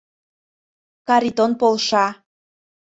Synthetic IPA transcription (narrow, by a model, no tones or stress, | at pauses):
kɑɾit̪onpolʃɑ